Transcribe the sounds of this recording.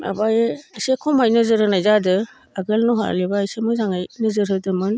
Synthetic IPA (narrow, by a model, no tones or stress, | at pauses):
a̰bajsekʰɔmajnɯzɯɾɯnajzadɯ | aɡɯlnuɦa̰libaːjsemɯzaŋajnɯzɯɾɯdɯmɯn